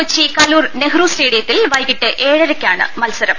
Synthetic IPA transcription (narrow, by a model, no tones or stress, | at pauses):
ut͡ɕːikɐluːrneɡruːsreːɽijɐt̪ːilʋɐjɣiʈːɨʔeːɻɐɾɐkʲːaːɳɨ̰mɐlsɐɾɐm